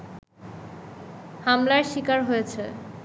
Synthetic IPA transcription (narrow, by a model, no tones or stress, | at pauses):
hamlaɾʃikaɾɦojet͡ɕʰe